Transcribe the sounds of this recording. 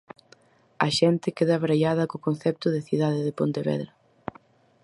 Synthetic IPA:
ɐʃɛnt̪ɪkeðɐβɾajaðɐkokonθɛp̚t̪ʊðɪθiðaðeðepont̪eβɛ̰ðɾɐ

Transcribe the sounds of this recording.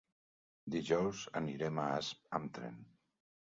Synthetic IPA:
d̪iʒɔwzə̰niɾemaasp̚amt̪ɾḛn

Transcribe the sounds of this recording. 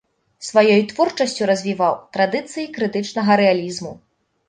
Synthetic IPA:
svajɔjt̪vɔrt͡ʂɐsʲt͡sʲuɾɐzʲvʲivawt̪ɾad̪ɨt̪sɨjikɾɨt̪ɨt͡ʂnɐɣɐɾɛalʲizmu

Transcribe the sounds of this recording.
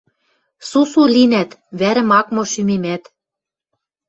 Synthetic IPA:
susulinæt̪βæɾɘ̆mɑkmŏʃymemæt̪

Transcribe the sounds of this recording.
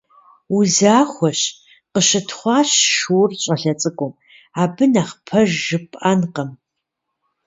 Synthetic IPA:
uzaːχʷɔɕ | qəɕɪtʰχʷɑːɕʃurɕʼɐɬɐt͡sʼɨɡʷʼʊm | aːbɨnaχpʰɐʒːɨpʰʼʔanqɐm

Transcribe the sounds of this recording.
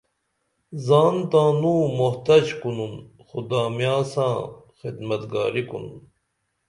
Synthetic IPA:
zaːnt̪ãːnũːmoht̪ɐd͡ʑkunun | xud̪aːmjãːsãː | xid̪mɐt̪ɡa̰ːɾikṵnun

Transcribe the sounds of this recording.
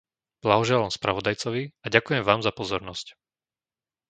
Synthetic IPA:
b̥laɦɔʒɛlaːmspɾaʋɔd̪ajt͡sɔʋiaɟakujɛmʋaːmzapɔzɔɾnɔsc

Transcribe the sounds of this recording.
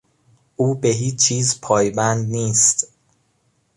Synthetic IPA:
ʔuːbe̞ɦiːt͡ʃʰiːzpʰɒːjbænd̪niːst̪

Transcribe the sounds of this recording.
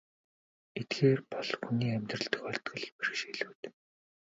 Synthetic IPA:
et̪ɡeːrpɔɮxuniːæmʲt̪rə̆ɬt̪ɵ̆xɔrʲt̪ɡɞ̆ɮperxʃiɮuːt̪

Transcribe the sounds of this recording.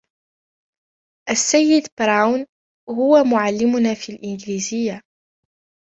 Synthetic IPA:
ʔasːajːɪd̪bɾˤawn | hʊwamʊʕalːɪmʊnaːfilʔɪnɡliːzɪjːa

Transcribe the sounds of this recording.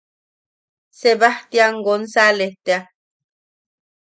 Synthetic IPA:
seβaht̪iaŋɡonsaleht̪ea

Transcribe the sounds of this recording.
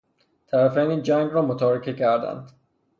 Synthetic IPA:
t̪ʰæɾæfæniːnd͡ʒæŋɡɾɒːmot̪ʰɒːɾecʰecʰæɾd̪æ̰nd̪̥

